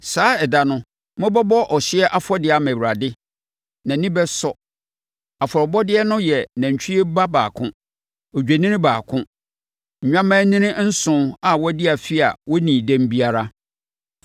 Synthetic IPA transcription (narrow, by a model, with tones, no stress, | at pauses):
saː˨˦ɛ˨da˨nʊ̃˦ | mʊ̃˦bɔ˦bɔ˦ʔɔ˨ɕɪ˦ɛ˦ʔa˦fɔ˦dɪ˦a˨mæ̃˨wu˨ɾa˨dɪ˦ | nã˨nĩ˦bɛ˦sɔ˨ | a˨fɔ˨ɾɔ˨bɔ˦dɪ˦ɛ˦nʊ̃˦jɛ˨nã˨ɲ˨t͡ɕʰᶣi˦ɛ˦ba˦ba̰ː˨kʰʊ̃˦ | ɔ˨d͡ʑᶣe˨nĩ˦nɪ̃˦baː˨kʰʊ̃˦˨ | ɲᶣã˦mã˦nĩ˦nɪ̃˦n̩˦sʊ̃˨a˨wɔ˦dɪ˦a˨fi˦a̰˨wɔ˦nĩ˨dæ̃˦m˦bi˦a˨ɾa˦